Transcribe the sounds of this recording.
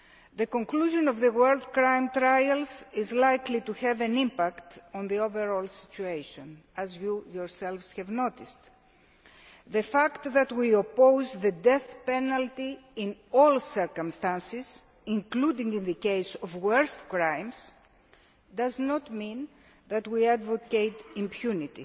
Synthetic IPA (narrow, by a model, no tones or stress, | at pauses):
ðekõŋkluʒõnovðəwɜld̪kɾãjmt̪ɾajɐlzizlajklit̪uhɛvɐ̃nĩmpakt̪õnðioveɾolsi̥t͡ʃuejʃõn | ɐzjujoɹselvshɛvnot̪ist̪ | ðefakt̪ðɐt̪wiopowzðəd̪eθpenɐlt̪iĩnolsɛɾkõmst̪ãnsiz | ĩŋklud̪ĩŋɡĩnðəkejsovwəɾst̪kɾãjms | d̪ɐznot̪mĩn | ðɐt̪wiad̪vokejt̪ĩmpʰjunit̪i